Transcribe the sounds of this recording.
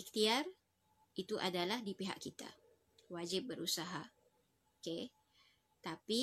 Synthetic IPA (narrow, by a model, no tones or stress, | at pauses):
ik̚t̪iar | it̪uʔa̰dalahdipiɦa̰ʔkit̪a̰ | wad͡ʒɪp̚bəɾusaɦa | oke | t̪api